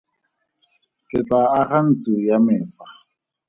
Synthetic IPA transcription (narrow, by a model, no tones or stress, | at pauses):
kʼɪt͡sʼaːχan̩tʼujamɪːfa